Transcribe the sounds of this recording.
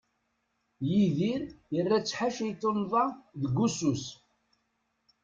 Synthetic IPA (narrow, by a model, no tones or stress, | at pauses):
jiðiɾjərːæt͡sːħaʃijt̪ːonðˤɑðɡusus